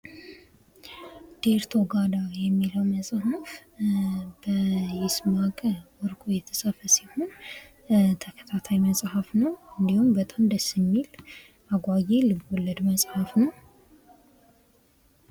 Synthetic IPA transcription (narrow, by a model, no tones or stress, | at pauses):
d̪̥eɾt̪ʰo̞ɡad̪ajɛmːiləwməsʼɦaf | bəjɪsmakʼəwɔɾkʼojɛt̪ʰəsʼafəsiho̞n | t̪ʰəkʰə̥t̪ʰat̪ʰajməsʼhafnəwɨnd̪ihumbət̪ʼamd̪əsɨmːil | aɡʷajelɨbɔlːəd̪məsʼhafnəw